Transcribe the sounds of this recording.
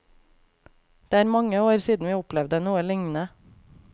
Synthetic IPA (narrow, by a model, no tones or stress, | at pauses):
d̪̥eːæːɾmɑŋəoːɾsiːd̪n̩ʋiːʊplɛʋd̪ənuːəlɪŋnə